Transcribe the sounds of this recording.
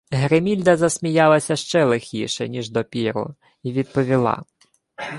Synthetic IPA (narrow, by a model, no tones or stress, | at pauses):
ɦɾemʲilʲd̪ɐzɐsʲmʲijɑlˠɐsʲɐʃt͡ʃɛlˠexʲiʃɛnʲiʒd̪ɔpʲiɾʊ̰ | iʋʲid̪̚pɔʋʲilˠɑ̰